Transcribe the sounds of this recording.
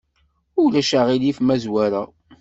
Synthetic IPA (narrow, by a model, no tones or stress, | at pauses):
ʊlæʃaʁilifmæzwæɾæ